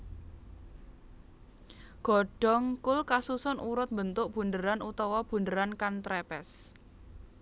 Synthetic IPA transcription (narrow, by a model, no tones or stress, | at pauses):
ɡ̥ɔ̤ɖ̥ɔ̤ŋkʊlkasusɔnʔuɾʊt̪̚mbənt̪ʊʔb̥ṳnd̪əɾanut̪ɔwɔb̥ṳnd̪əɾankant̪ɾɛpɛs